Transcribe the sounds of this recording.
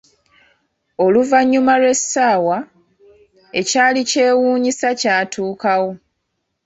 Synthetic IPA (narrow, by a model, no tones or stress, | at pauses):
o̞luvaɲːumalwe̞saːwa | e̞caːlice̞ːwuːɲisacaːtʰuːkawo̞